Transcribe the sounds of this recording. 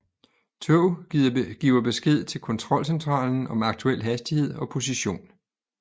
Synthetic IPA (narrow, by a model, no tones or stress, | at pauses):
t͡sʰøʊɡ̥ḭːʊɐb̥e̝sɡ̥e̝ð̞̰ˠt͡sʰe̝lkʰɒ̽nt͡sʰʁɒ̽l̰sent͡sʰʁɑ̰̈ːln̩ɒ̽mɑ̈ɡ̥̚t͡sʰuel̰ɦæsd̥ihe̝ð̞̰ˠɒ̽pʰo̝s̬iɕo̝̰ːn